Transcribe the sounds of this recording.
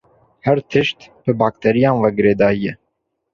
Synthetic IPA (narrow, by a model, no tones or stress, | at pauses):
hɛɾt̪ʰɨʃt̪bɨbɑːk̚t̪ʰɛɾijɑ̃ːnvɛɡɨɾeːd̪ɑːijɛ